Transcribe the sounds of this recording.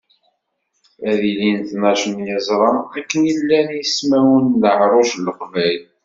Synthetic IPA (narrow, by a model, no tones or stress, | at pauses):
æðilinθnæʃənjəzˤɾˤɑmækːənilːænjəsmæwunðəʕɾˤoʃləqvæjl